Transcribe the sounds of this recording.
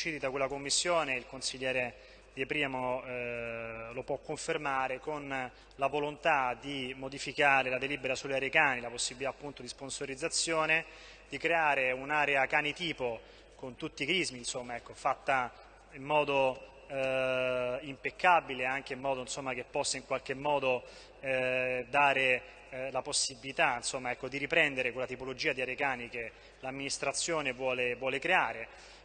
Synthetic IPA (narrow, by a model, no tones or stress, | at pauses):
t͡ʃiːd̪it̪akwelːakomːisːjoːneilkonsiʎːɛːɾe | d̪iepɾiːmo | lopwɔkːoɱfermaːɾekon | lavolont̪ad̪imod̪ifikaːɾelad̪elibeɾasuleaɾekaːnilaposːibilit̪aːpːunt̪od̪isponsoɾid̪zːat̪sːjoːne | d̪ikɾeaːɾeunaːɾeakanit̪iːpo | kont̪ut̪ːikɾizminsomːaɛkːofat̪ːa | imːɔːd̪o | impekːabileaŋk̟eimːɔːd̪oinsomːak̟epːɔsːaiŋkwalk̟emːɔːd̪o | d̪aːɾe | laposːibilit̪ainsomːaɛkːod̪iɾipɾɛnd̪eɾekwelːat̪ipolod͡ʒiːad̪iaɾeekaːnike | lamːinist̪ɾat̪sːjoːnevwɔːlevwɔːlekɾeaːɾe